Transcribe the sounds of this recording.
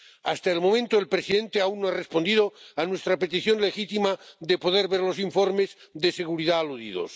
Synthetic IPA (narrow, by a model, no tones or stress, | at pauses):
ast̪aelmo̞mẽnt̪oelpɾesiðẽ̞nt̪eaunnoarespond̪iðoanwe̞st̪ɾapet̪iθjonle̞xit̪imaðepo̞ðeɾβeɾlo̞siɱfo̞ɾmez | ðe̞se̞ɣ̞uɾiðaːluðḭðo̰s